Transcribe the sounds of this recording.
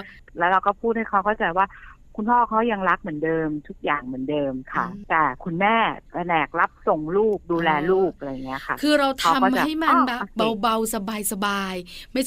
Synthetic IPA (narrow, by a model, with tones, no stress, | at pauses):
lɛː˦˥wɾa˧wkɔː˥˩pʰuː˥˩t̪̚ha˥˩jkʰa˦˥wkɔː˥˩t͡ɕa˨˩waː˥˩kʰu˧npʰɔː˥˩kʰa˦˥wja˧ŋɾa˦˥k̚mɯ˨˩˦ndɤː˧mt̪ʰu˦˥k̚jaː˨˩ŋmɯ˩˦ndɤː˧mkʰa˥˩t̪ɛː˨˩kʰu˧nmɛː˥˩k̪a˧nɛː˨˩k̚ɾa˦˥p̚so˨˩ŋluː˥˩p̚duː˧lɛː˧luː˥˩p̚ʔa˧ɾa˧jŋːi˦˥ɐ˩kʰa˥˩kʰɯː˧ɾa˧wt̪ʰa˦˥˧kːmaɦa˥˩jma˧nba˨˩ba˧wba˧wsa˧baː˧jsa˧baː˧jma˥˩j